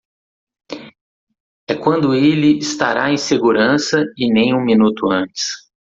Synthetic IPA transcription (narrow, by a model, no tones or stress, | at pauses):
ɛkwɐ̃nd̪ʊelɪɪst̪aɾaẽj̃seɡuɾɐ̃sɐɪnẽj̃ũminut̪ʊɐ̃t͡ʃɪ̥s